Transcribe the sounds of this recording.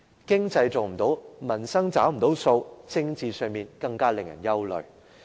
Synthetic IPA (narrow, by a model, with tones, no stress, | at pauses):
kɪ˥ŋt͡sɐ˧jt͡so˨wm̩˨˩t̪o˨˥wmɐ˨˩nsɐ˥ŋt͡saː˨˥wm̩˨˩t̪o˨˥wso˧wt͡sɪ˥ŋt͡siː˨˧sœː˨˧ŋmiː˨nkɐ˧ŋkaː˥lɪ˨ŋjɐ̰˨˩njɐ˥wlɵ̰˨ɥ